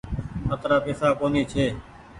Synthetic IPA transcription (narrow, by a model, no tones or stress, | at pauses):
ət̪ɾaːpeːsaːkoːniːt͡ʃʰeː